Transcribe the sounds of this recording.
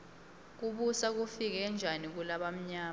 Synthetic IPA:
k̬uɓusak̬ufik̬ɛnd͡ʒʱanik̬ulaɓam̩ɲaː

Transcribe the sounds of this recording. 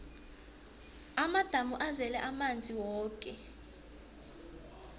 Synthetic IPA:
amad̥ʱamuʔazɛlɛʔamand͡zʱiwɔːkʼɛ

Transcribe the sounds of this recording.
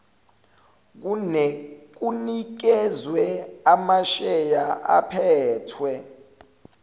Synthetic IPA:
k̬unɛk̬unik̬ɛzwɛamaʃɛjaʔa̰pʰɛːtʰwɛ

